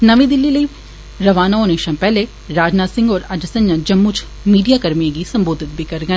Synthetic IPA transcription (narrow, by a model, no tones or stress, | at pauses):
nɐʋĩd̪ɪlːiləi | ɾɐʋaːnaoːneːʃãmpɛɦle | ɾaːd͡ʒnaːsɪ̃ŋɡɔːɾɐd͡ʒsɐ̃ɲːãd͡ʒɐmːut͡ʃʰ | miːɖijakɐɾmiẽɡisɐ̃mboːd̪ʱɪt̪̚bʱikɐɾɡɐ